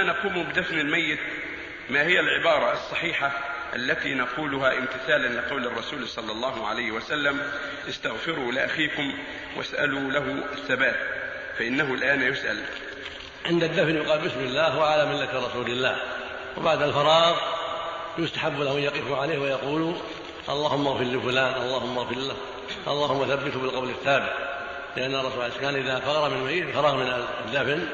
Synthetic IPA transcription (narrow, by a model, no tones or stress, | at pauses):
nɑquːmubɪd̪afnalmajːɪt̪ | maːhɪjːalʕɪbɑːɾˤɑɑsˤːɑħiːħaʔa̰lːat̪inɑquːlʊɦaʔɪmt̪ɪθaːlanlɪqɑwlɑrˤːɑsuːlsˤɑlːɑlˤːɑːɦʊʕa̰lajhɪwasalːam | ʔɪst̪aɣfɪɾulɪʔaxiːkʊm | wʔa̰sʔa̰lulaɦʊʔaθːabaːt̪̚ | faʔɪnːaɦʊlʔaːnjʊsʔa̰l | ʕɪnd̪ad̪ːafnjʊqɑːlbɪsmɪlːaːhwaʕalamɪlːat̪ɾˤɑsuːlɪlːaːh | wɪbaʕd̪alfɑɾˤɑːɣ | jʊst̪aħabːlahʊjɑqɪfʊʕaleːhwajɑquːlu | ʔɑlˤːɑːhʊmːaɣfɪɾlifʊlaːnʔɑlˤːɑːhʊmːaɣfɪɾˤlah | ʔɑ̰lˤːɑːhʊmːaθabːɪt̪bɪlqɑwlɪθːaːbɪt̪̚ | lɪʔanːɑrˤːɑsuːlʕaliskaːnʔɪðafɑɣɑɾˤɑmɪnmajt̪fɑɾˤɑːɣmɪnad̪ːafn